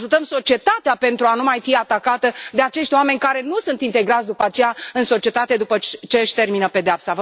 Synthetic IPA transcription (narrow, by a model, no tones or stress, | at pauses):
ʒut̪əmso̞t͡ʃie̞t̪at̪eape̞nt̪ɾuanumajfiat̪akat̪əd̪e̞at͡ʃe̞ʃt̪ʲoame̞nʲkaɾe̞nusunt̪int̪e̞ɡɾat̪sʲd̪upəat͡ʃejaɨnso̞t͡ʃie̞t̪at̪e̞d̪upət͡ʃe̞ɨʃʲt̪e̞rminəpe̞d̪eapsavə